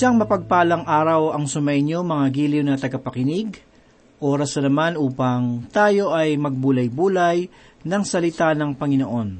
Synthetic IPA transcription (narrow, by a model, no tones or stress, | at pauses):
ʃaŋmɐpɐɡ̚paːlɐŋʔaːɾɐwɐŋsʊmɐjɲomɐŋaɡiːljonɐt̪ɐɡɐpɐkɪnɪɡ | ʔo̞ːɾɐsɐnɐmanʔuːpɐŋt̪aːjo̞ʔɐjmɐɡ̚buːlɐjbuːlɐj | nɐŋsɐlɪt̪anɐŋpɐŋɪnoʔo̞n